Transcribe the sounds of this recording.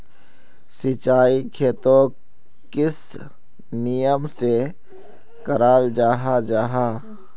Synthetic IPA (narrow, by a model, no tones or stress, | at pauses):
sɪt͡ʃaːikʰeːt̪õː | kɪs | nijəmse | kəɾaːld͡ʒaːɦad͡ʒaːɦaː